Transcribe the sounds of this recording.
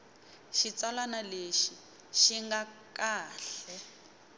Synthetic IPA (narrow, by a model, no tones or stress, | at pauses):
ʃit͡salanaleʃi | ʃiŋɡakaːɬɛ